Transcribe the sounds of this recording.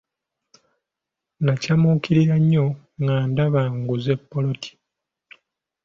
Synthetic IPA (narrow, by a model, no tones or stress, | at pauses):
nacamukiɾiɾaɲːo̞ | ŋɡaːndaβaːŋɡuze̞pːo̞lo̞tʰi̥